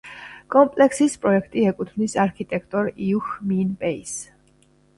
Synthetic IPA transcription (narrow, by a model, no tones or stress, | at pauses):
kʼɔmpʼlɛksispʼɾɔɛkʰt̪ʼiɛkʼut̪ʰvnisaɾkʰit̪ʼɛkʰt̪ʼɔɾiuxminpʼɛis